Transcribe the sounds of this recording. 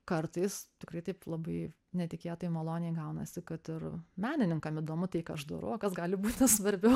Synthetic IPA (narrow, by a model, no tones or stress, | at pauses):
kɐrt̪ɐɪst̪ʲɪkrɐɪt̪ɐɪplˠɐbɐɪ | nʲɛt̪ʲɪkʲeːt̪oːjɪmɐlˠoːnʲɪjɛɪɡɐʊnɐ̰sʲɪkɐt̪ɪrmʲæːnʲɪnʲɪŋkɐmɪd̪oːmʊt̪ɐɪkɐɐʃd̪ɐ̰ɾɐʊokɐsɡɑːlʲɪbuːt̪ʲnʲɛsʋɐɾʲbʲɛʊ